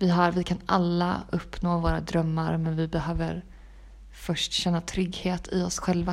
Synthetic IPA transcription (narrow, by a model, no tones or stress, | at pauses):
vɪɦaɾvɪkʰana̰lːa̰ɵpːnoːvoːɾad̪ɾœmːaɾmɛnvɪbɛɦøːvəɾ | fœʂʈɕɛnːat̪ʰɾʏɡheːt̪ʰɪɔsɧɛlva